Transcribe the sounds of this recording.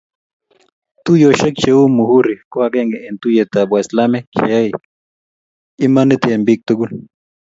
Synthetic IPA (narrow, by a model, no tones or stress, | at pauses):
t̪ujoʃekt͡ʃeumuhuɾikwakeŋɡeent̪ujet̪abaslamet͡ʃeai | imanit̪eembik̚t̪ukun